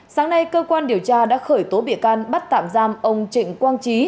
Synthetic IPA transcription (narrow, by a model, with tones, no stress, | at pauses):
saː˨˦ŋna˧jkəː˧kwaː˧nɗi˨˩əwt͡ɕaː˧ɗa̰ː˧˥xəː˧˩jt̪o˨˦ɓḭ˧˨əkaː˧nɓa˦˥t̚t̪a̰ː˧˨mzaː˧mʔə˧wŋ͡mt͡ɕḭ̈˧˨ŋ̟kwaː˧nt͡ɕi˨˦